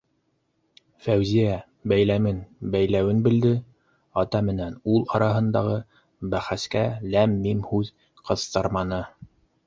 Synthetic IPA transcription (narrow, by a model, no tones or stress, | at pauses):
fæwzijæ | bæjlæmɘnbæjlæwɘnbɘ̆ld̪ɘ | ɑt̪ɑmɘ̆nænulˠɑɾɑɦɤ̆nd̪ɑʁɤ | bæχæskælæmːimhʉð | qʰɤ̆θt̪ɤɾmɑnɤ